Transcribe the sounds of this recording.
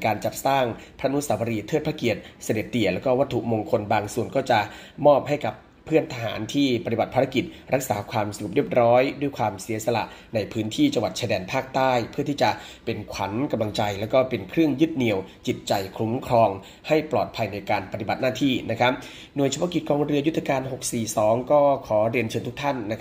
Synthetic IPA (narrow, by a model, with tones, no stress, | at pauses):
kaː˧nt͡ɕa˨˩p̚saː˥˩ŋpʰɾa˦˥˧nu˦˥saː˩˦wa˧ɾiː˧t̪ʰɤː˥˩t̪̚pʰaː˦˥ki˨˩ət̪̚sa˧de˨˩t̪̚ːi˨˩əlɛː˦˥wkɔː˥˩wa˦˥t̪ʰːu˨˩ʔmoː˧ŋkʰo˧nbaː˧ŋsu˨˩ənkɔː˥˩t͡ɕa˨˩mɔː˥˩p̚ɦa˥˩jka˨˩pʰːɯ˥˩ənt̪ʰa˧ɦa̰ː˩˦nt̪ʰiː˥˩pa˧t̪i˨˩ba˨˩t̪pʰaː˧ɾa˥ki˨˩t̪̚ | ɾa˦˥k̚saː˩˦kʰwaː˧msa˧ɾu˨˩p̚ɾi˥˩əp̚ɾɔː˦˥jdu˥˩jkʰwaː˧msi˩˦ɐsa˧la̰˨˩ʔ | na˧jpʰɯː˦˥nt̪ʰiː˥˩t͡ɕa˧ŋwa˨˩t̪̚t͡ɕʰa˧˩dɛː˧npʰaː˥˩k̚t̪aː˥˩jpʰɯ˥˩t̪ʰiː˥˩t͡ɕa˨˩ʔ | pe˧nkʰa˩˦nka˧mla˧ŋt͡ɕa˧jlɛː˦˥wkɔː˥˩pe˧nkʰɾɯ˥˩əŋjɯ˦˥t̪̚ni˧˩əwt͡ɕi˨˩t̪̚t͡ɕa˧jkʰɾu˨˦˥mkʰɾɔː˧ŋ | ha˥˩jplɔː˨˩t̪̚pʰa˧jna˧jkaː˧npa˧t̪i˨˩ba˨˩t̪̚naː˥˩t̪ʰiː˥˩na˦˥kʰa˦˥p̚ | nu˨˩ət͡ɕʰa˧bɔ˦˥ki˨˩t̪̚kɔː˧ŋɾɯ˧ju˦˥t̪ʰːa˧kaː˧nɦo˨˩k̚siː˨˩sɔː˩˦ŋkɔː˥˩kʰɔː˩˦ɾi˧ənt͡ɕʰɤː˧nt̪̚ʰt̪ʰa˥˩nːa˦˥kʰ